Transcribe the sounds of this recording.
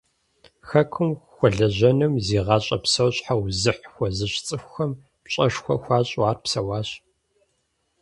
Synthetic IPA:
xɐkʷʰʊmxʷɔɮɐʑɐnɨmziːʁɑːɕʼɐ̰psɐwɕʼħawzɨħxʷɔzɨɕt͡sʼɨxʷxɐm | ɕʼɐʂxʷɐxʷɑːɕʼaːrpsɐwaːɕ

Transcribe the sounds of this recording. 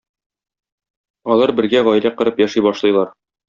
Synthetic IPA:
ɒlˠɑɾbɘ̆ɾɡæʁɒjlæqɤ̆ɾɤpjæʃijbɒʃlˠɤ̆jlˠɑɾ

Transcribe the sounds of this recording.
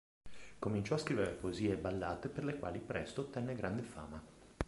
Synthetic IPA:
komint͡ʃɔaskɾiːveɾepoeziːebalːaːt̪eperlekwa̰ːlipɾʔɛst̪ot̪ːɛnːeɡɾand̪efa̰ːma

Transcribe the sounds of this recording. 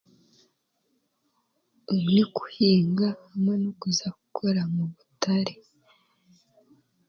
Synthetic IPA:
uniku̥hiːŋɡaːmenokuzaku̥kʰoɾamuβutaɾe

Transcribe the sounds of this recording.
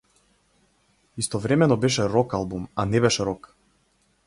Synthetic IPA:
ist̪ɔvɾɛmɛnɔbɛʃɛɾɔkalˠbumanɛbɛʃɛɾɔk

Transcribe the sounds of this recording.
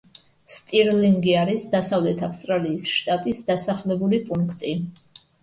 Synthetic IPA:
st̪ʼiɾliŋɡiaɾisd̪asavlɛt̪ʰafst̪ʼɾaliːsʃt̪ʼat̪ʼisd̪asaχlɛbulipʼuŋkʰt̪ʼi

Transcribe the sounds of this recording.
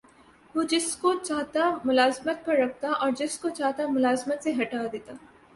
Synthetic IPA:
ʋod͡ʒɪskot͡ʃaːɦt̪amʊlaːzmət̪̚pɐɾːɐk̚ʰt̪aʔɔːɾd͡ʒɪskot͡ʃaːɦt̪amʊlaːzmət̪seɦɐʈaːd̪eːt̪aː

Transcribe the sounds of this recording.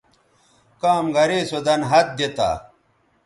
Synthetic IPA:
kaːmɡɐɾeːsod̪ɐnɦɐt̪̚d̪et̪a̰ː

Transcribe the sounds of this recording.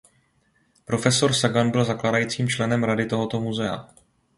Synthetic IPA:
pɾo̞fɛso̞ɾsaɡanbɪlzaklaːdajiːt͡siːmt͡ʃlɛnɛmɾadɪt̪o̞ɦo̞t̪o̞muzɛa̰

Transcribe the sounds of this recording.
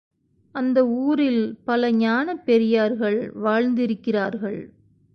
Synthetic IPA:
ɐnd̪ɐuːɾɪlpɐlɐɲaːnɐpːɛɾɪjaːɾɣɐɭʋaːɻnd̪ɪɾɯkːɪraːɾɣɐɭ

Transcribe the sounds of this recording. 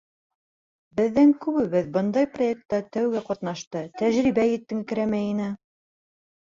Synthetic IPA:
bɘ̆ðːæŋkʉβɘβɘðbɤnd̪ɑjproek̚t̪ːɑt̪æwɡæqɑt̪nɑʃt̪ɤt̪æʒɾiβæjɘ̆t̪ːɘ̆ŋɘkɘ̆ɾæmæjinɘ

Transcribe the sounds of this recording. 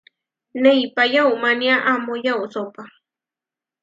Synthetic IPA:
nejpajawmanjaʔamojawsopa

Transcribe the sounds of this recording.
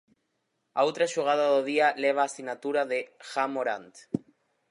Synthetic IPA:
a̰owt̪ɾaʃuɣað̞aðoðialeβ̞aːsinat̪uɾaðexamoɾant̪

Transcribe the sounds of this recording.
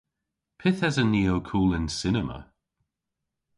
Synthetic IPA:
pʰɪθɛzəniːəwkʰuːlɪnsɪnəmə̰

